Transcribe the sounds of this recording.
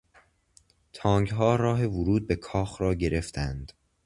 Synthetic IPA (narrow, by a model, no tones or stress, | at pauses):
t̪ʰɒːŋɡɦɒːɾɒːɦe̞vʊɾuːd̪̚be̞kʰɒːxɾɒːɟe̞ɾe̞ft̪ʰænd̪̥